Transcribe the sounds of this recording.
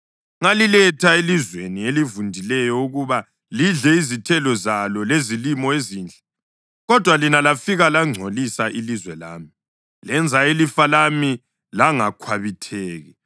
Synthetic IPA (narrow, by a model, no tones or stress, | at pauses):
ŋalilɛtʰaelizwenielivundʱilɛjɔuɣuβa | liɮɛizitʰɛlɔzalɔlezilimɔeziːnd͡ɮʱɛ | ɣɔd̥ʱwalinalafiɣalaŋ͡ǀʱolisaʔilizwɛla̰ːmi | lɛnd͡zʱaelifalami | laŋakʰwaβitʰɛːɣɛ